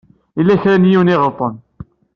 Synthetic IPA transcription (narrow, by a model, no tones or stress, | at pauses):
ilːæçɾænjiwniʁəɾt̪ˤːən